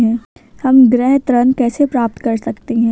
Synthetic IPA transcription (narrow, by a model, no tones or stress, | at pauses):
ɦɛ̃ːhɐmɡɾɛɦt̪ɾɐnkɛːsepɾaːp̚t̪kɐɾsɐkt̪eɦɛ̃ː